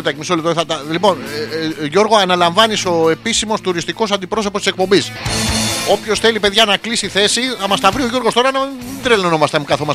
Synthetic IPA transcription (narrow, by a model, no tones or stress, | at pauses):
d̪ɐcmisolit̪oɾθɐt̪ɐlipo̞nʝo̞ɾɣoɐnɐlɐɱvɐniso̞e̞pisimo̞st̪uɾist̪iko̞s̬ɐnd̪ipɾo̞sopost̪isek̚po̞mbis | o̞pço̞sθe̞lipe̞ðʝɐnɐklisiθe̞siθɐmɐst̪ɐvɾio̞ʝo̞ɾɣo̞st̪oɾɐnɐed̪ɾelononomɐst̪ɐmkɐθomɐs